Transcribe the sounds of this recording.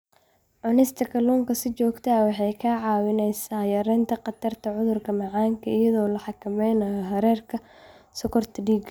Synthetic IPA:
ʕʊnɛst̪ʰɐkʰɐluːŋkʰɐsɪt͡ʃɔːɡt̪ʰɐwɑħɑjkʰɐʕɑːwɪnɛjsaːjɐɾɛnt̪ʰɐqɑt̪ʰɐrt̪ʰɐʕʊðʊrkʰɐmɑʕɑːŋkʰɐɪjɐðɔːlɐħɑkʰɐmɛjnɐjɔɦɐɾɛːrkʰɐ | sɔkʰɔrt̪ʰɐɖiːɡ

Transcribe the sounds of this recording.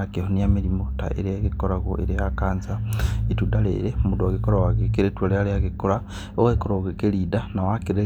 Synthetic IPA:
akehonijamiɾimota̰ḛɾeaɣekoɾaɣoʔeɾejakaːnzaitudalḛɾemudwoɣekoɾawaɣekeɾetwelealeaɣekola | oɣekoɾoɣekelidanawakiɾe

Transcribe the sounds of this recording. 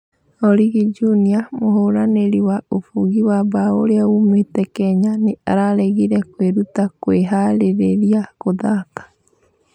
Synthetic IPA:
ɔɾiɣid͡ʒuniamoɦoɾaneɾiwaofuɣiwabao̰ɾeaumetɛkɛɲanea̰ɾaɾɛɣiɾɛkweɾutakweɦaɾeɾeɾiakoðakḁ

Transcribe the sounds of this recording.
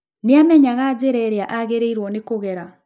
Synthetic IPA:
neamɛɲaɣad͡ʑeɾɛɾeaʔaɣeɾeiɾwɔnekoɣɛɾa

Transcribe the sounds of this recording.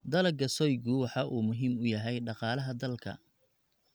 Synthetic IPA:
d̪ɐlɐɡɐsɔjɡʊwɑħɑʔuːmʊɦiːmʊjɐɦɛjɖɑqɑːlɐɦɐd̪ɐlkʰɐ̰

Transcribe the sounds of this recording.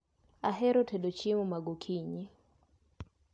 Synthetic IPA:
aɦɛɾɔtʰɛɗɔt͡ʃimumaɡokʰiɲi

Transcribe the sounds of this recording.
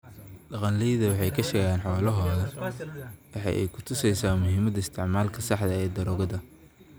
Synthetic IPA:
ɗɑqɑnliːjðɐwɑħɑjkʰɐʃɛɣjaːnħɔːlɐɦɔːðɐ | wɑħɑ̰jʔɛ̰jkʰʊt̪ʰʊsɛjsaːmʊɦiːmɐd̪ɐɪst̪ʰɪʕmaːlkʰɐsɑħd̪ɐɛːd̪ɐɾɔːɣɐðɐ

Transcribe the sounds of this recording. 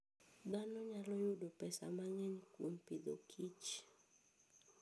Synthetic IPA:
danɔɲalɔjudopɛsa̰maŋɛɲkwompid̪o̰kʰit͡ʃ

